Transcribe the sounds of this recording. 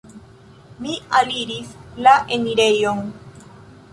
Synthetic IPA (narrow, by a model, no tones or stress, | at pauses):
mialiɾislaʔeniɾejoŋ